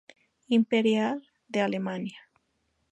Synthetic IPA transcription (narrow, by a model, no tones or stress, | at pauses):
impeɾjal | d̪ealemanja